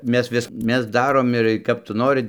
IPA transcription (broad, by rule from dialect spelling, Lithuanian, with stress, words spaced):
ˈmʲɛs ˈʋʲɪs ˈmʲɛs ˈdɑːroːm ɪr kɐp ˈtʊ ˈnoːrɨ